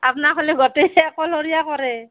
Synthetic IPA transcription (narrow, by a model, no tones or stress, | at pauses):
apnaxʰɔlɛɡɔtɛːkɔloɹijakɔɹɛ